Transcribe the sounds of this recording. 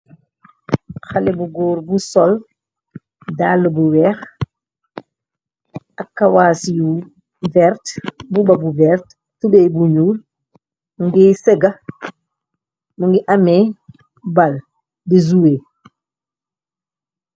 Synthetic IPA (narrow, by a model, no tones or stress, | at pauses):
xɐlɛbuɡɔːɾbusɔl | dalːubuwɛːx | ɐkːawaːsiju | vɛɾtbubɐbuvɛɾt | tubɛjbuɲuːl | muŋɡisɛɡɐ | muŋɡiʔɐmɛ | bal | dizuwe